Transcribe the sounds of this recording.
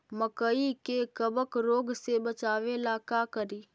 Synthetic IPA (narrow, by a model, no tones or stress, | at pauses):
məkəikekəbəkɾoːɡsebət͡ʃaːʋelakaːkəɾiː